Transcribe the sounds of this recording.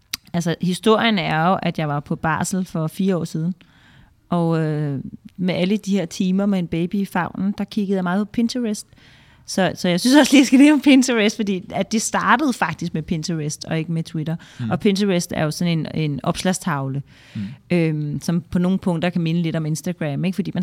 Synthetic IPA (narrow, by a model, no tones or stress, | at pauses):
ælsɐhisd̥o̝ɐ̰jənæɐjo̝ʔæd̥jɑ̈ɪʋɑ̈pʰɒ̽b̥ɑ̰̈ːsl̩fɒ̽fiːɐɒ̰ːsiːð̞ˠn̩ | ʔɒ̽ø | meʔæləd̥iheɐ̰t͡sʰiːmɐmeenb̥eɪb̥ifɑ̈ʊ̰nn̩d̥ɑ̈kʰiɡəð̩ˠjɑ̈mɑ̈ːð̩ˠpʰɒ̽pʰe̝nt͡sʰuʁesd̥ | sɒ̽sɒ̽jɑɪsynsɒ̽sliːjasɡ̥æleːɒ̽mpʰent͡sʰəʁesd̥fɒ̽d̥ḭːæd̥e̝sd̥ɑ̈ːd̥əð̞̩ˠfɑ̈ɡ̥̚d̥isɡ̥̚mepʰe̝nt͡sʰɐʁesd̥ɒ̽e̝ɡ̥əmet͡sʰwiɾɐʔɒ̽pʰe̝nt͡sʰɐesd̥æɐjo̝sɒ̽ne̝nenɒ̽b̥slæst͡sʰɑ̈ʊlə | ømsɒ̽mpʰɒ̽no̝ːn̩pʰɔ̽ŋ̰d̥ɐkʰæme̝nəle̝ɾ̥ɒ̽me̝nsd̥æɡ̥ʁæme̝ɡ̥fɒ̽d̥ḭːmæ